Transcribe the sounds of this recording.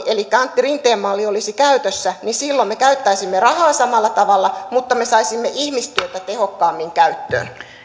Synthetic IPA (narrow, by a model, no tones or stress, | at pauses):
elikːæɑnt̪ːirint̪eːmmɑlːiolisikæyt̪øsːænisilːommekæyt̪ːæisimːerɑhɑːsɑmɑlːɑt̪ɑʋɑlːɑmut̪ːɑme̞sɑisimːeʔihmist̪yøt̪æt̪ehokːɑːmːiŋkæyt̪ːø̰ːn